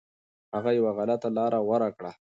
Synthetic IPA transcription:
haɣajawaɣalat̪alɑːɾʔawaɾakɽa

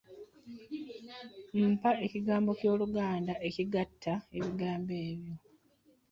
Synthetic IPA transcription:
m̩pae̞ciɡaːmbo̞cjo̞ːluɡaːndaʔe̞ciɡatʰːae̞βiɡaːmbe̞ːβjo̞

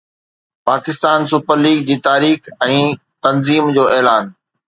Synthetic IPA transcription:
paːkɪst̪aːnsʊpəɾliːɡd͡ʑiːt̪aːɾiːxɛ̃ː | t̪ɐnziːmd͡ʑoːɛːlaːn

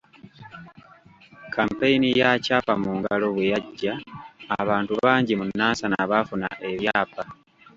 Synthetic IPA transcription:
kʰampeinijacaːpamuːŋɡalo̞βwe̞jaɟːaː | βaːntuβaːɲɟimunːaːnsanaβafuna̰ʔe̞βjaːpa

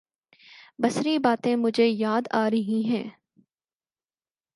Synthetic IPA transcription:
bɐsɾibaːt̪ẽmʊd͡ʒʱejaːd̪aːɾɐɦĩɦɛ̃ː

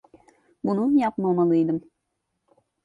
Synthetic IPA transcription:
bunumjɑpmɑmɑlˠɯijd̪əm

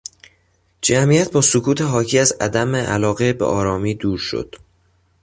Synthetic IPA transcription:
d͡ʒæmijæt̪̚ʰbɒːsokʰuːt̪ʰe̞ɦɒːcʰiːæzæ̰d̪æmeʔælɒːɣe̞bḛʔɒːɾɒːmiːd̪uːɾʃo̰d̪̥

